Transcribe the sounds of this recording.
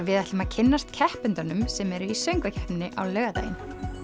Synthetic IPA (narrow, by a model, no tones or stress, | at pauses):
vɪðɛht̪lʏmacʰɪnːast̪cʰɛhpʏnt̪anʏmsɛmɛɾʏisœɥŋkvacʰɛ̥pnːɪʔa̰wlœːɣat̪a̰ːjɪ̰n